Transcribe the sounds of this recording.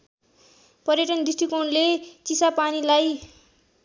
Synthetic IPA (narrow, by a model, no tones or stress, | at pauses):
pʌɾjʌʈʌndisʈikonlet͡sisapanilaj